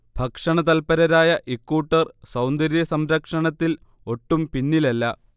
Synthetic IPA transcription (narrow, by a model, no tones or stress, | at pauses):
b̥ʱɐkʂɐɳɐt̪ɐlpɐɾɐɾaːjɐʔikːuʈːɐrsɐwnd̪ɐɾjɐsɐmɾɐkʂɐɳɐt̪ːil | o̞ʈːumpinːilɐlːɐ